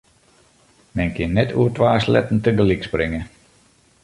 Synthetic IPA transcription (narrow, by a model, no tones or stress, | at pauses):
mɛnkʰɪnːɛtʰuərtʋaːslɛ̰tn̩təɡəliksprɪŋə